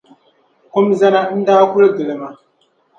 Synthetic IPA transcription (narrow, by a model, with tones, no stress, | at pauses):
kʊ˦mza˦na˦n̩˦da˦kʷu˦lɡə˨lma˨